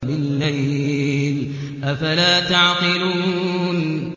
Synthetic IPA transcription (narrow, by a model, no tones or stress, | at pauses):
bɪlːaj | l | ʔafalaːt̪aʕqɨluːn